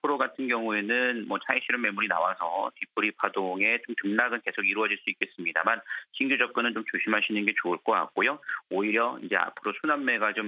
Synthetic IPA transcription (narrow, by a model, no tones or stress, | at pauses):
apʰɯɾoɡatʰɯnɡjʌŋue̞nɯnmʌt͡ɕʰaiɕʰiɾɯme̞muɾina̰wasʰʌtipʰɯɾipʰadoŋe̞t͡ɕomtɯŋnaɡɯnke̞sʰoɡiɾuʌd͡ʑiɭs͈uik͈e̞s͈ɯmɲida̰manɕʰiŋɡjud͡ʑʌk̚k͈ɯnɯnt͡ɕomt͡ɕoɕʰimɦaɕʰinɯnɡe̞t͡ɕoɯɭk͈ʌk͈a̰k̚k͈ojooiɾjʌind͡ʑe̞a̰pʰɯɾosʰunamːe̞ɡat͡ɕom